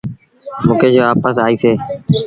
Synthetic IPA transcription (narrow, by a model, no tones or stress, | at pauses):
mũːkeːd͡ʒoːaːpəsaːiːseː